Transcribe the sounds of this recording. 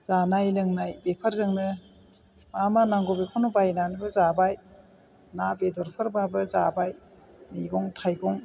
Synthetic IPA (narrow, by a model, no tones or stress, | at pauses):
z̥anajlɯŋnajbepʰaɾzɯŋnɯ | mamanaŋɡɔbekʰɔnɔbajnanibɯzabaj | nabedɔɾpʰɯɾbabɯza̰baj | miɡɔŋtʰajɡɔŋ